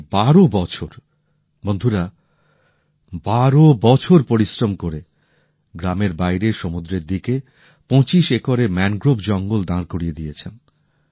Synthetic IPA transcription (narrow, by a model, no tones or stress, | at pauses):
baɾobɔt͡ɕʰoɾ | bond̪ʱuɾa | baɾobɔt͡ɕʰoɾpoɾisɾomkoɾe | ɡɾameɾbajɾeʃomud̪ɾeɾd̪ike | pɔ̃t͡ɕiʃekaɾemɛnɡɾobd͡ʑɔŋɡold̪ãɾkoɾied̪ijet͡ɕʰen